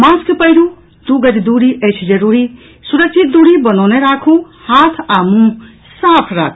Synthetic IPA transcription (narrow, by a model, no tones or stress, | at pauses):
mãskpəjɾu | d̪uɡəd͡ʒd̪uɽiʔət͡ʃʰd͡ʒəɾuːɾi | suɾək̚t͡ʃʰit̪̚d̪uɽibənɔwneɾakʰũ | haːt̪ʰaːmũ | saːpʰɾa̰ːkʰ